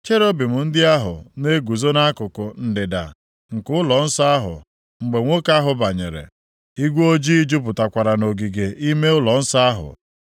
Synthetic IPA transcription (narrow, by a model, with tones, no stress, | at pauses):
t͡ʃe˦ɾo˦bi˨mʊ˨n̩˦dɪ˦a˦ɦʊ̰˨ne˦ɡʷu˨zo˦na˦kʊ˨kʊ˨n̩˨dɪ˨da̰˨ | ŋ̩˨kʊ˦lɔ˨n̩˦sa˦a˦ɦʊ̰˨ | ŋ͡m̩˨ɡ͡be˨ŋʷo˦ka˦ɦʊ˨ba˨ɲe˨ɾḛ˨ | i˦ɡʷo˦d͡ʒi˦i˦d͡ʒu˦p̬ʊ˨ta˨kʷa˨ɾa˨no˨ɡi˨ɡe˨ʔi˦me˦ʊ˦lɔ˨n̩˦sa˦a˦ɦʊ̰˨